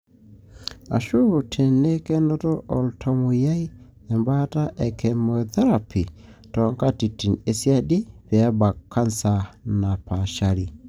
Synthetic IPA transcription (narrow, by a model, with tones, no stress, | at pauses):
a̰˨ʃu˦tʰe˨ne˦kɛ˦nɔ˦tɔ˦ʔɔ˨ltʰɔ˨mu˨ja˦i˦ | ɛ˨mba˦ta˦ʔɛ˨kʰɛ˨mɔ˨θɛ˦ɾa˨pi˨tɔ˨ŋka˦ti˨tːi˨ne˨sja˦ɗɪ˦pɛ˨a˦ba˨kːa˦nsa˨na˨pa˨ʃa˦ɾi˨